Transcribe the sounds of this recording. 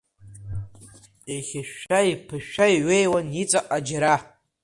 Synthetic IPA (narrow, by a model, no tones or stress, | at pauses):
eχʲɪʃaipʰɨʃᶣajʕʷejwanjit͡sʼaʔʼad͡ʒaɾa